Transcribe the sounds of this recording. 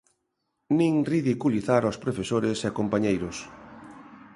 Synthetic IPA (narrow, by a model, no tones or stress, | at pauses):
nĩŋriðikuliθaɾospɾofesoɾɪseakompaɲejɾʊs